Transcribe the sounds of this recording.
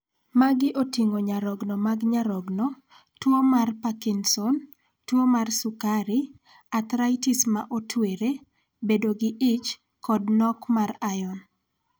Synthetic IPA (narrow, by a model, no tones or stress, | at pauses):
maɡɪʔotiŋoɲaɾɔɡnɔmaɡɲaɾɔɡnɔ | twomarpakinsɔn | twomarsʊkaɾi | at̪ɾaɪtisma̰ʔotʰweɾe | bedoɡɪʔɪt͡ʃ | kɔdnɔkmarajɔn